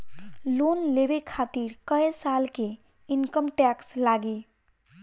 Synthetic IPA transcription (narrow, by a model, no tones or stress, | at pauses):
lonlebekʰat̪iɾkə̃esalke | inkəmʈɛkslaɡe